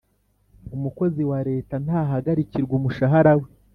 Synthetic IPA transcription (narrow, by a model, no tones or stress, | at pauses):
umuko̞ziwaɾe̞ːtan̥haːɦaɡaɾiciɾɡumuʃaɦaɾawe